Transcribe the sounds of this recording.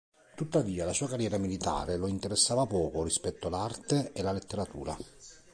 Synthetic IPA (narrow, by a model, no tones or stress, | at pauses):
t̪ut̪ːaviːalasuːakarjɛːɾamilit̪a̰ːɾeloint̪eɾesːaːvapɔːkorispɛt̪ːolart̪eelalet̪ːeɾat̪ṵːɾa̰